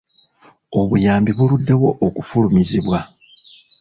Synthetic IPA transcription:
o̞βujaːmbiβuludːe̞wo̞ʔokufulumiziβwa

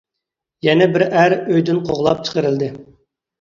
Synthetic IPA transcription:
jɛnɛbɪɾæɾøjd̪ɪnqʰoʁlˠɑp̚t͡ʃʰə̥qəɾɪld̪ɪ

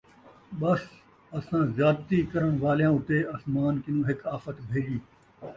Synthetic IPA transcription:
ɓɐs | ɐsãːzjaːd̪t̪iːkɐɾəɽ̃ʋaːljãːʊt̪eːʔɐsmaːnkɪnũːɦɪkaːfət̪bʱeːd͡ʒiː

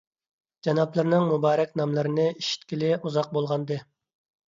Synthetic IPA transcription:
d͡ʒɑnɑplˠɨɾnɨŋmubɑːɾɛkʲnɑmlˠɨɾɪnɨiʃi̥t̪kʲilɪuzɑq̚bolˠʁɑnd̪ɨ

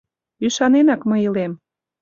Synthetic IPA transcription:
yʃɑnenɑkməilem

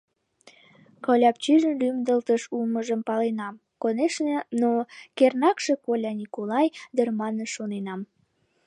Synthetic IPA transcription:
kɑlʲɑp̚t͡ɕyʒənlymd̪əlt̪əʃulməʒəmpɑlenɑm | koneʃnenokernɑkʃe̽kolʲɑnʲikolɑjd̪ərmɑnəʃonenɑm

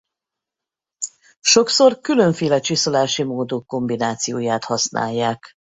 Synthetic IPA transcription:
ʃo̞kso̞rkylø̞ɱfeːlɛt͡ʃisolaːʃimoːd̪okːo̞mbinaːt̪sijoːjaːt̪hɒsna̰ːjːaːk

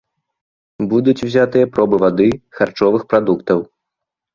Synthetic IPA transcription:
bud̪ut͡sʲwzʲat̪ɨjɐpɾɔbɨvad̪ɨxart͡ʂɔvɨxpɾad̪ukt̪ɐw

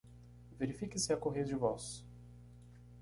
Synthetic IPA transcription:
veɾifikɪsɪɐkoɦej̪ɐd͡ʒɪvɔs

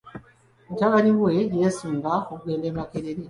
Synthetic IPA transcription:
mutaɡaɲiwwejesuːŋɡaxuɡeːndeːmakeɾeɾe

